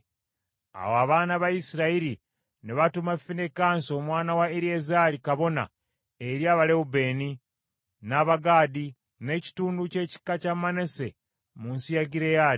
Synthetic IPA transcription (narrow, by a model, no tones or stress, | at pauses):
a̰woaβaːnaβaisiɾaiɾi | neβatumafinekaːnso̞ːmwaːnawaeɾiezalikaβo̞na̰ | eɾjaːβaleube̞ːni | naβaɡaːdi | ne̞ci̥tuːnduce̞ːci̥kːacamane̞se̞ | munsijaɡiɾejaɾi